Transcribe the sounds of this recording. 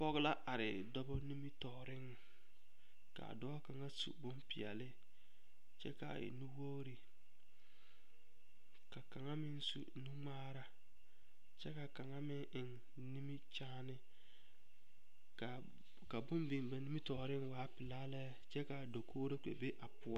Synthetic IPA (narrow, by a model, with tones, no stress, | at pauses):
pɔ˦ɣla˦ʔa˨ɾɪ˨dɔ˦bɔ˦ni˦mi˦tɔː˨ɾɪ˦ŋ˨ | ka̰˨dɔː˦ka˨ŋa˦sṵ˨bʊ˦mpɪ˨ɛ̰˨lɪ˦ | t͡ʃɛ˦ka̰˨ɪ̰˨nu˦woː˦ɾi˨ | ka˨ka˨ŋa˦mɪ˦n˦sṵ˨nu˦ŋ͡maː˦ɾa˦ | t͡ʃɛ˦ka˨ka˨ŋa˦mɪ˦ŋʔɪ˨ŋ | ni˦mi˦t͡ʃaː˦nɪ˦ | ka˨ | ka˨bʊ˦mbɪ˨ŋba˨ni˦mi˦tɔː˨ɾɪ˦ŋwaː˨˦pɪ˨laː˦lɛ˦ | t͡ʃɛ˦ka˨do˨kʰoː˦ɾe˦k͡pḛ˨be˦ʔa˨pʊ˦a˦